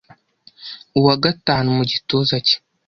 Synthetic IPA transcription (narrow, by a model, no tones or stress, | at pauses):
uwaɡataːnumuɟitozace̥